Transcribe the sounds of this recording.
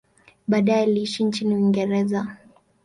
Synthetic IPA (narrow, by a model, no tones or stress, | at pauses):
ɓaːɗajɛliiʃint͡ʃiniwiŋɡɛɾɛza